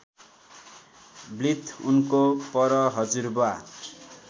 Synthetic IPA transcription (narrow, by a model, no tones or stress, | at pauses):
blit̪ʰunkopʌɾʌɦʌd͡zurboa